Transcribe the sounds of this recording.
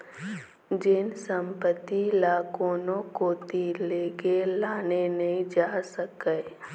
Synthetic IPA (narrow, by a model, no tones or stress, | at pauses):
d͡ʒɪnsə̃mpət̪ːilaːkoːnõkot̪ileːkelaːnenəɦĩd͡ʒaːsəkə